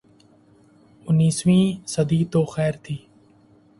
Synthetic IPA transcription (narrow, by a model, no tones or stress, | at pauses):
ʊnːiːsʋĩːsəd̪iːt̪oːxɛːɾt̪ʰiː